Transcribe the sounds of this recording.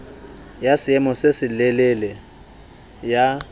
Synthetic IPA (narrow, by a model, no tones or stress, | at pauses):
jasɪɛmɔsesɪlɛlɛlɛ | ja